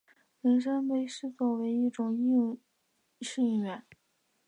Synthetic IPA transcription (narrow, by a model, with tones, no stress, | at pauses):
ɻə˧˥nʂə˥npe˥˩ɪʂɻ̩˥˧t͡swɔ˥˩we˧˥ɪi˥˩ʈ͡ʂʊ˨˩ŋi˥˩ | ʂi˥˩ŋ˥˧ɥɛ˨˧˩n